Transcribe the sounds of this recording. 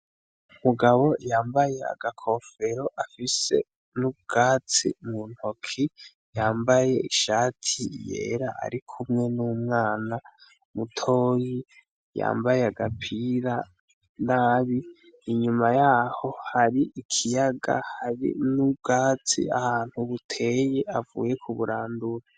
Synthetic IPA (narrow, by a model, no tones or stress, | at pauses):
umuɡaβo̞jaːmbajea̰ɡ̥akʰo̞ːfe̞ɾo̞ʔafise̞̰ | nub̚ɡ̥aːt͡sḭmun̥hokʰi | jaːmbaje̞iʃaːtʰijḛːɾaʔa̰ɾikʰumŋe̞nuːmŋaːna | mutʰoːji | ja̰ːmbajeaɡapʰiɾa | naːβi | iɲumajaːho̞haɾiʔikʰijaɡa̰haɾḭnub̚ɡaːt͡sḭahaːn̥huβutʰe̞je̞avṵːje̞kʰuβuɾaːnduɾa